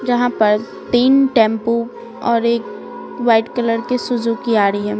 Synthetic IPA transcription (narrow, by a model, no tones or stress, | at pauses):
d͡ʒɐɦãpɐɾ | t̪iːnʈɛ̃ːmpu | ɔːɾeːk | ʋaːɪʈkɐləɾkesʊd͡ʒukiaːɾəiɦɛ̃ː